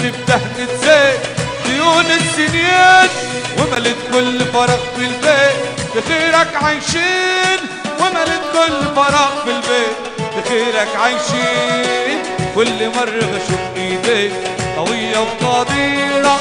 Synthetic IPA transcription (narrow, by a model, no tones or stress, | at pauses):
t̪ɪbd̪ahnɪt̪zeːt̪d̪ɪjuːnɪtːɪnjat̪ | wɪmalɪt̪̚kʊlːfɑɾˤɑq̚bɪlbeːt̪t̪ɪxiːɾakʕajʃiːn | wɪmalɪt̪̚kʊlːfɑɾˤɑʔbɪlbeːt̪ | t̪ɪxiːɾakʕajʃiːn | kʊlːmɑrˤːɑbaʃʊfʔiːd̪eːt̪t̪ˤːɑwɪjːabt̪ˤɑːd̪iːɾa